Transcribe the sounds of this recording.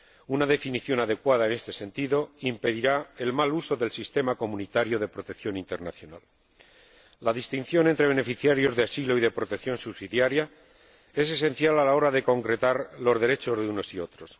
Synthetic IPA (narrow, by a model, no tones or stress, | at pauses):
unaðe̞finiθjo̞naðe̞kwaðaene̞st̪e̞se̞nt̪iðo̞impe̞ðiɾae̞lmaluso̞ðe̞lsist̪e̞mako̞mũnit̪aɾjo̞ðe̞pɾo̞t̪ekθjo̞nĩnt̪eɾnaθjo̞na̰l | aðist̪in̟θjo̞ne̞nt̪ɾe̞βe̞ne̞fiθjaɾjo̞zðeasilo̞iðe̞pɾo̞t̪e̞kθjo̞nsuβsiðjaɾja | e̞s̬e̞sẽ̞n̟θjalalao̞ɾaðe̞ko̞ŋkɾe̞t̪aɾlo̞zðe̞ɾe̞t͡ʃo̞zðeuno̞sio̞t̪ɾo̞s